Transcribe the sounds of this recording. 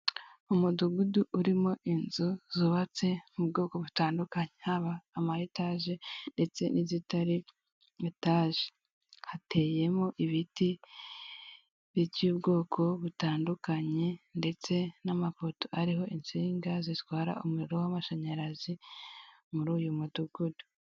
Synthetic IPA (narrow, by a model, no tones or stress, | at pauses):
umuduɡuduʔuɾimo̞ʔinzuzuβat͡se̞mubɡo̞ːko̞βutaːndukaɲehaβaːmahitaːʒe̞nde̞t͡se̞nizitaɾi | etaːʒe̥ | hate̞je̞mo̞ʔiβiti | βicuːbɡo̞ːkʰo̞βutaːndukaɲe̞nde̞t͡se̞namafo̞to̥aɾiɦo̞ʔint͡siːŋɡazitwaːɾa̰umuɾiɾowamaʃaɲaɾazi | muɾuːjumuduɡudu̥